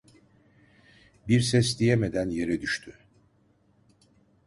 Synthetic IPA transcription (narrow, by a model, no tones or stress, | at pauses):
biɾsɛsd̪ijeme̞d̪ænje̞ɾɛd̪yʃt̪ʰy